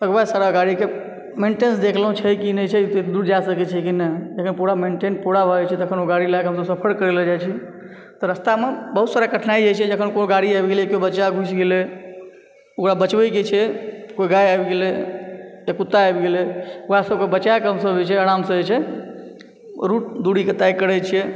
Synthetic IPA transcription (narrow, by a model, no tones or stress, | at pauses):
əɡbasaɾaɡaɽike | meɳʈensd̪ekʰləɦũt͡ʃʰəjkinət͡ʃʰɛt̪d̪uɾd͡ʒasəkɛt͡ʃʰɛkinəd͡ʒəkʰənpuɽameɳʈenpuɽabʱəɛt͡ʃʰɛt̪ɔəkʰənoɡaɽilakɦəmsə̃səpʰəɾkəɾeld͡ʒajt͡ʃʰɛ | t̪ɔɾəst̪amebəɦut̪saɾakəʈʰnaid͡ʒat͡ʃʰɛd͡ʒəkʰənkoɡaɽiabɡelkobəːaɡʱusɡelɛ | okɾabət͡ʃbəjket͡ʃʰɛkoiɡajabɡele | jakut̪ːaabɡelɛokɽasəbkebət͡ʃakeɦəmsəbɛt͡ʃʰɛəɽamsəɛt͡ʃʰɛ | ɾuʈ̚d̪uɽiket̪ajkəɽət͡ʃʰɛ